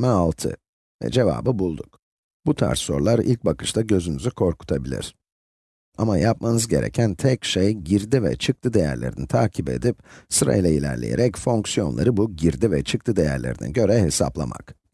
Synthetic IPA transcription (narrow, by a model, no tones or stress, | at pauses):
mɛalˠt̪ʰɯ̰ | vɛ̰d͡ʒe̞va̰ːbɯbulˠd̪uk | b̥ut̪ʰa̰ɾsːo̞ɾlˠaɾḭlʲc̚bakʰɯ̥ʃt̪ʰaɟø̞zynyzykʰo̞ɾku̥t̪ʰabilʲḭɾ̥ | amajap̚manɯzɟe̞ɾḛcʰænt̪ʰɛcʃejɟiɾd̪ivɛ̰t͡ʃʰɯk̚t̪ʰɯd̪e̞jæɾlʲe̞ɾinit̪ʰaːcʰibe̞̰d̪ip̚sɯɾa̰jlˠailʲæ̰ɾlʲejeɾɛcfo̞ŋksijo̞nlˠaɾɯbuɟiɾd̪ivɛt͡ʃʰɯk̚t̪ʰɯd̪e̞jæ̰ɾlʲe̞ɾinɛ̰ɟø̞ɾɛɦesa̰plˠa̰ma̰k